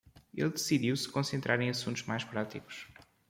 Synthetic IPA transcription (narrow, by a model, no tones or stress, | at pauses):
ḛlˠd̪ɨsiðiwsɨ̥kõsẽnt̪ɾʔaɾẽj̃ɐsũnt̪uʒ̥majʃpɾat̪iku̥ʃ